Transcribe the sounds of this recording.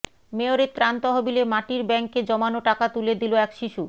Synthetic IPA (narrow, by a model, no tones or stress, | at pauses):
meoɾet̪ɾant̪ɔɦobilemaʈiɾbɛŋkːed͡ʑɔmanoʈakat̪uled̪iloɛkʃiʃu